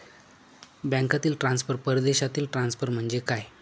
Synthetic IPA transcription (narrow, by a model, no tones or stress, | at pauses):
bjɛ̃ŋkat̪iːlʈɾãnsfəɾpəɾd̪eɕat̪iːlʈɾansfəɾm̤əɳd͡zekaj